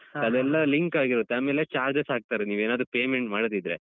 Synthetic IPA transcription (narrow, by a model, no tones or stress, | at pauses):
ɐd̪ɛlːɐliŋkaːɡiɾot̪ːeaːme̞ːlet͡ʃaːɾd͡ʒesaːɡ̚t̪aːɾeniːʋeːnaːd̪ɾupeːmeɳʈmaːɽd̪id̪ɾe